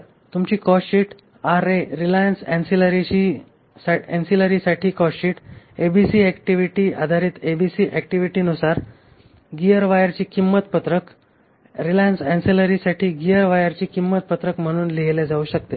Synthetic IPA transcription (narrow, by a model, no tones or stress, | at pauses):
t̪umt͡ɕiːkɔɕiːʈ | aɾeɾilajənsɛ̃nsiləɾit͡ɕi | saɛnsiləɾiːsaʈʰiːkɔɕiːʈ | ebisiːɛkʈiʋiʈiːa̰d̪ʱaɾiːt̪ebisiːʔɛk̚ʈiʋiʈiːnusaɾ | ɡiəɾʋajəɾt͡ɕiːkimːət̪pət̪ɾək | ɾilajənsɛ̃nsiləɾisaʈʰiːɡijəɾʋajəɾt͡ɕiːkimːət̪̚pət̪ɾəkm̤əɽ̃uːnliɦelɛd͡zauːɕək̚t̪e